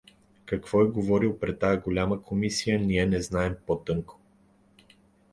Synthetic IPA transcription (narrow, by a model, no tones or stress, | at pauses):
kɐkv̥ɔɛɡovɔɾilˠpɾɛtt̪ːajəɡolʲaməkʰomisijəniɛnɛznaɛmpot̪ɤŋko̥